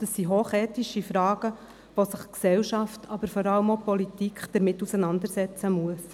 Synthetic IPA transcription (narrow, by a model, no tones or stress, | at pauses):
d̥əsiɦoːχɛːtiʃifɾɑːɡ̥ə | ʋosəχksɛlʃɑftɑbəɾfɔɾɑləmopɔlitikχd̥əɾmɪtːusənɑndəɾsɛt͡səmuəs